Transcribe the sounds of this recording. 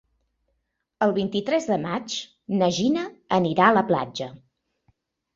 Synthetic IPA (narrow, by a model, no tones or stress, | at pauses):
əlˠβint̪it̪ɾɛzðəmat͡ʃ | nəʒinəəniɾaələpla̰d͡ʒə